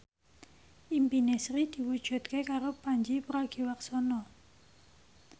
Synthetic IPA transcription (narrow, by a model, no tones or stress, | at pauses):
ʔimpinesɾid̪̥i̤wud̥ʒ̥ṳt̪̚kekaɾopaɲd͡ʒipɾaɡ̥iwaksɔnɔ